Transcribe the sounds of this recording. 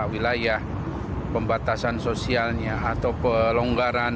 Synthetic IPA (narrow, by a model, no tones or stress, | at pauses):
wilajah | pəmbat̪asansosialɲaːt̪awpəloŋɡaɾan